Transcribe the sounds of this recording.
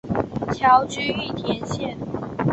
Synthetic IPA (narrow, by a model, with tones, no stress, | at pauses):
t͡ɕʰjɑ˨˥ʊt͡ɕy˥y˥˩t̪ʰjɛ˨˧˥nɕjɛ˥˩n